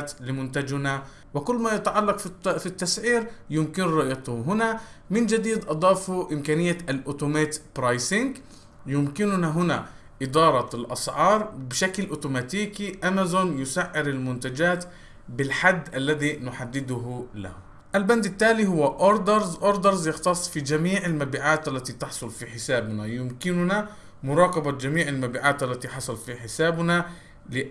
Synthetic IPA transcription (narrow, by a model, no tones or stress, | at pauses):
t̪lɪmʊnt̪ad͡ʒna | wɪkʊlːmajat̪aʕalːɑqffit̪ːasʕiːɾjʊmkɪnɾʊʔjɑt̪ɦʊna | mɪnd͡ʒad̪iːd̪ʔɑd̪ˤɑːfuʔɪmkaːnɪjːaʔalʔʊːt̪ʊmaːt̪pɾɑjsɪŋɡ | jʊmkɪnʊnaɦʊna | ʔɪd̪ɑːɾˤɑlʔɑsʕɑːɾˤbɪʃaklʔʊːt̪ʊmat̪iːkiʔamazonjʊsaʕːɪɾalmʊnt̪ad͡ʒaːt̪ | bɪlħad̪ːʔalːaðinʊħad̪ːɪd̪ʊɦla̰h | ʔalband̪ɪt̪ːaːlihʊwːaʔoɾd̪ɑɾˤzʔoɾd̪ɑɾˤzjɪxt̪ɑsˤːfid͡ʒamiːʕalmabiːʕaːt̪ʔalːat̪it̪ɪħsˤʊlfiħɪsaːbnajʊmkɪnʊna | mʊɾˤɑːqɑbad͡ʒamiːʕɪlmabiːʕaːt̪ʔalːat̪iħɑsˤɑlfiħɪsaːbna | lɪ